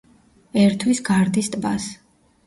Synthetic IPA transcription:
ɛɾt̪ʰwisɡaɾd̪ist̪ʼbas

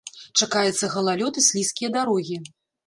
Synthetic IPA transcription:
t͡ʂakajɛt̪sːɐɣɐlˠalʲɔt̪ɨsʲlʲiskʲijɐd̪aɾɔɣʲi

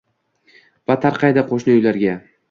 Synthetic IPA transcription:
vat̪ʰaɾqʰɑjd̪aqʰoʃnɨʊjlaɾɡʲa

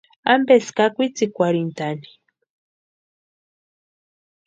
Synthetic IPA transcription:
ambeskakʷit͡sikʷaɾint̪ani̥

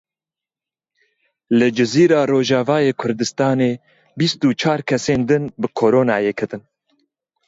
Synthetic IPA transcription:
lɨd͡ʒɨziːɾɑːroːʒɑːvɑːjeːkʰʊɾd̪ɨst̪ɑːneː | bist̪uːt͡ʃʰɑːɾkʰɛseːnd̪ɨnbɨkʰoːɾoːnɑːjeːkʰɨt̪ɨn

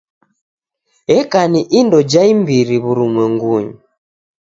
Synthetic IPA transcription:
ɛkaniʔindɔd͡ʒaimbiɾiβuɾumwɛŋɡuɲu

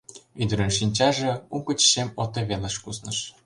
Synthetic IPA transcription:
yd̪ə̆ɾə̆nʃinʲt͡ɕɑʒĕukət͡ɕɕemot̪eβeleʃkuznə̆ʃ

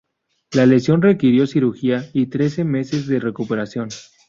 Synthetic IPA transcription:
lale̞sjo̞nrekiɾjo̞siɾuɾxiait̪ɾe̞se̞me̞se̞zðe̞re̞kupe̞ɾasjo̞n

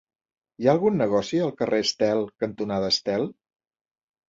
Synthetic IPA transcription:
jaəlˠɣunːəɣ̞ɔsiəlˠkərʔeəst̪ɛlˠkənt̪unaðəst̪ɛlˠ

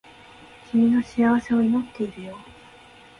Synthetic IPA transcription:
kʲʰimʲino̞ɕiaβ̞ase̞oimo̞t̪ːe̞iɾɯ̟jo̞ː

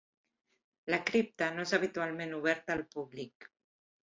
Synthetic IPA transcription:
lakɾip̚t̪anoezaβit̪ualmenuβ̞ɛɾt̪aːlpuβlik

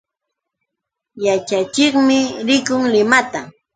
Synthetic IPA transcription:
jat͡ʃat͡ʃɪχmɪɾɪkʊŋlɪmat̪a

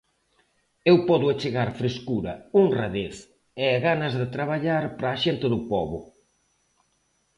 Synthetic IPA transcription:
ewpɔðʊat͡ʃeɣaɾfɾeskuɾɐuŋraðeθ | ɛɣanɐzðet̪ɾaβaʎaɾpɾaːʃent̪ɪðʊpɔβʊ̰

